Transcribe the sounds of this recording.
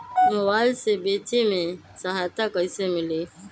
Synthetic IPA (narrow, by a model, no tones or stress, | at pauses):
mobalsebeːtimẽ | səɦajt̪akəisemɪli